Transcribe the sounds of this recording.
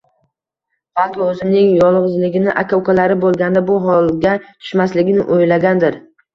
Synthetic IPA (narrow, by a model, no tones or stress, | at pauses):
χalˠt̪ʰɒɵzɪmnɪŋjɒlˠʁɨzlɪɡʲɪnɪʔakʰawkalaɾɪbolˠɡʲand̪abʊɦɒlˠɡʲat̪ʰʊ̥ʃmaslɪɡʲɪnɪʔojlaɡʲand̪ɪɾ